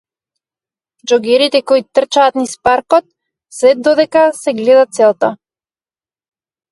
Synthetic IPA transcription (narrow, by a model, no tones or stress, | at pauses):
d͡ʒɔɡɛɾit̪ɛkɔit̪r̩t͡ʃaːt̪nispaɾkɔt̪̚ | sɛd̪ɔd̪ɛkasɛɡlɛd̪at̪sɛlˠt̪a